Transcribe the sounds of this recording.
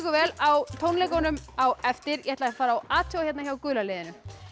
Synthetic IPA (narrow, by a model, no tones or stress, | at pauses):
kʏvɛːlawt̪ʰownlɛkonʏmawɛft̪ɪɾjɛhɛt̪lafaːɾaawaːt̪ʰɔwaçɛt̪naçawkʏːlaleːðɪnʏ